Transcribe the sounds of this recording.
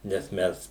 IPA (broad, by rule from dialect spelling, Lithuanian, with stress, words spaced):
nʲɛs ˈmʲɛs